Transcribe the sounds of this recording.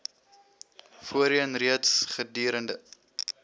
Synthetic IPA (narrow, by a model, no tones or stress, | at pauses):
fuəɾiənriətsχədiːɾəndə